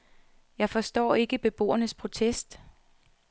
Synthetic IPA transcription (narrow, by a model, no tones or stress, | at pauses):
jɑ̈ɪfɒ̽sd̥ɒ̰ːe̝ɡ̥əb̥e̝b̥o̝̰ːɐnəspʰʁo̝t͡sʰesd̥